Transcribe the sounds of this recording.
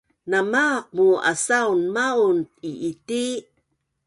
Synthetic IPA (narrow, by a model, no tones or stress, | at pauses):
namaq̚mua̰saunmaunt̚iʔiti